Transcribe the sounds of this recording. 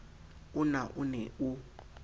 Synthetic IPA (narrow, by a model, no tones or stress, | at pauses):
ʊnaʔunɛʔu